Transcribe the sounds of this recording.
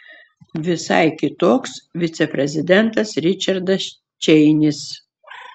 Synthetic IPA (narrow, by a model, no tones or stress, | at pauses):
ʋʲɪsɐ̰ɪkʲɪt̪oːksʋʲɪt̪sʲɛpʲɾʲɛzʲɪd̪ʲɛnt̪ɐsɾʲɪt͡ʃʲɐɾd̪ɐs | t͡ʃʲɛɪnʲɪs